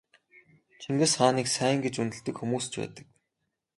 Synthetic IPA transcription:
t͡ɕʰiŋɡɘ̆sχaːniːksæːj̆ŋɡet͡ɕunt̪ɘ̆ɮt̪ɘ̆kxumuːst͡ɕpæ̰ːt̪ə̥̆k̚

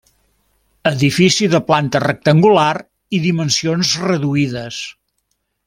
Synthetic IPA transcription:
əðifisiðəplant̪ərək̚t̪əŋɡulaɾ | iðimənsionzrəðuiðəs

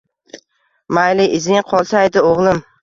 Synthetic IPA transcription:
majlɪʔɪzɪŋqʰɒlˠsajd̪ɪoʁlˠɪm

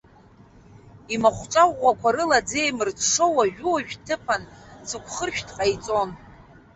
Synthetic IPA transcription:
imaχʷt͡ʃʷʼawʷakʷʰaɾɨlad͡zejmɨrtʂowaʒᶣuoʒᶣtʰɨpʰanzɨkʷʰχərʃᶣdʰʼqʼajt͡sʼo̞n

